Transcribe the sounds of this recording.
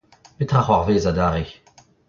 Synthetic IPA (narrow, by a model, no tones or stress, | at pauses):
pet̪ʁaχwaʁveːzad̪aʁe